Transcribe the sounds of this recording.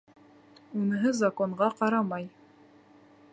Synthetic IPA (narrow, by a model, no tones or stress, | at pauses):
unɤ̆ɦɤzakoɴɢɑqɑɾɑmɑj